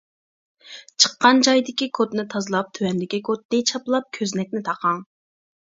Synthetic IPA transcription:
t͡ʃʰə̥qːɑnd͡ʒɑjd̪ɪkʲikʰot̪nɨt̪ʰɑzɨlˠɑp̚t̪ʰywɛnd̪ɪkʲikʰot̪̚nɪt͡ʃʰɑplˠɑp̚kʲʰøznɛkʲnɪt̪ʰɑqʰɑŋ

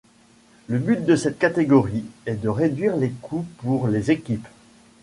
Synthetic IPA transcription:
ləbyt̪̚d̪əsɛt̪̚kat̪eɡɔʁiɛd̪əʁed̪ɥiʁlekʰupuʁlezekʲip

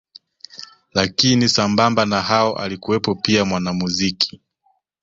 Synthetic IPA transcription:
lakinisambambanahaɔʔa̰likuwɛpɔpiamwanamuzikʰi̥

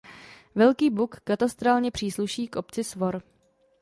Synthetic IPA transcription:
vɛlkiːbukːat̪ast̪ɾaːlɲɛpr̝̥iːsluʃiːkʔo̞pt͡sɪsvo̞ɾ

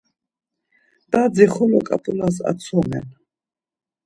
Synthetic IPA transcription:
d̪̥ad̪ziχɔlɔ̰kʼa̰pʼulas̬a̰t̪sʰɔmɛ̰n

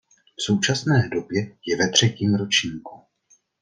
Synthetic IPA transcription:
fso̞wt͡ʃasnɛːdo̞bjɛjɛvɛt̪r̝̥ɛciːmɾot͡ʃɲiːku

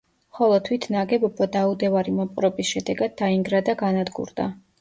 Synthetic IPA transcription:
χɔlˠɔt̪ʰwit̪ʰnaɡɛbɔbɔd̪aud̪ɛvaɾimɔpʼɾɔbisʃɛd̪ɛɡad̪̚ːaiŋɡɾad̪aɡanad̪ɡṵɾd̪a̰

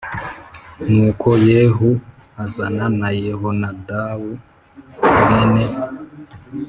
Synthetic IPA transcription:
nuːkʰojeːɦu | azananajeɦonadawu | ŋene

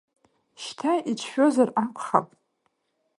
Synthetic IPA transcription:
ʃtʰaʔit͡ʃʷʰʃᶣo̞zarakʷʰχa̰pʼ

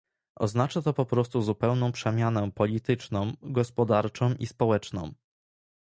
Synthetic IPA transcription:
ʔɔ̰znat͡ʂat̪ɔpɔpɾɔst̪uzupɛwnɔ̃w̃pʂɛmʲjanɛpɔlʲit̪ɘt͡ʂnɔ̃w̃ɡɔspɔd̪aɾt͡ʂɔ̃w̃ʔispɔwɛt͡ʂnɔ̰̃w̃

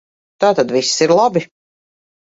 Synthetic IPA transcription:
t̪aːt̪ad̪vissiɾlˠabi

